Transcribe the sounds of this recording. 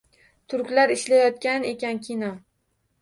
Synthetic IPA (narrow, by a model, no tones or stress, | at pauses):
t̪ʰʊɾkʲlaɾɪʃlajɒt̪̚kʲane̞kʲankʲʰinɒ